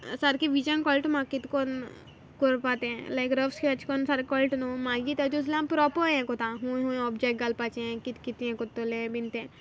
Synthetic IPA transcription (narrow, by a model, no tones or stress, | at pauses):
sɐɾkiʋid͡ʒənkɔlʈmãkit̪kon | koɾpat̪eɛ̃lajkɾəfskʰeɐt͡ʃkonsɐɾkɔlʈnũmãjit̪ed͡ʒos̬lãmpɾɔpoɛ̃kot̪ãɦũũɔbd͡ʒɛk̚ɡalpat͡ʃeẽkit̪kit̪iɛ̃kot̪ːolẽbint̪ẽ